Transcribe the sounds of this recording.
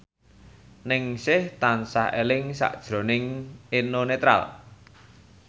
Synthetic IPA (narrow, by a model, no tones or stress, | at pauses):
nɪŋsɪht̪ansahelɪŋsa̰ʔd̥ʒ̥ɾo̤nɪŋenonet̪ɾa̰l